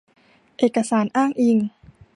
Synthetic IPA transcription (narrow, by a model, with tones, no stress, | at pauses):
ʔeː˨˩kːa˧saː˩˦nʔaː˥˩ŋʔi˧˩ŋ